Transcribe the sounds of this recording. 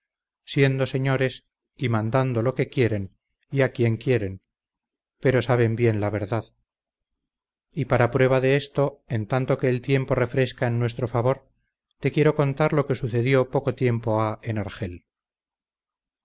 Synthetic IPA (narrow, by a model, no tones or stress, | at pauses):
sje̞nd̪o̞se̞ɲo̞ɾe̞s | imãnd̪and̪o̞lo̞ke̞kje̞ɾe̞n | iakje̞ŋkje̞ɾe̞n | pe̞ɾo̞saβ̞e̞mbje̞nlaβe̞ɾðað | ipaɾapɾwe̞βaðe̞est̪o̞e̞nt̪ant̪o̞ke̞ːlt̪je̞mpo̞re̞fɾe̞skaenːwe̞st̪ɾo̞faβo̞ɾ | t̪ekje̞ɾo̞ko̞nt̪aɾlo̞ke̞suθe̞ðjo̞po̞kot̪je̞mpo̞aenaɾχe̞l